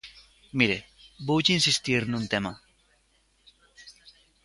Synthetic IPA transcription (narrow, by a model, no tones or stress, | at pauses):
miɾebuwt͡ʃinsist̪iɾnũnt̪ema